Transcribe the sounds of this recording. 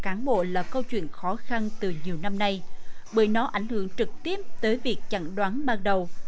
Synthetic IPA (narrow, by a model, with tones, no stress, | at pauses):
kaː˨˦nɓo̰˧˨laː˨˩kə˧wt͡ɕwḭ˧˨ənxɔ˨˦xa˧nt̪ɨ˨˩ɲi˨˩əwna˧mna˧jɓəː˧˩jnɔ˨˦ʔa˧˩jŋ̟hɨ̰˧˩˨əŋt͡ɕɨ˨˩k̚t̪i˦˥əp̚t̪əː˨˦jvi˨˩ək̚t͡ɕa˧˩ŋɗwaː˨˦nɓaː˧ŋɗə˨˩w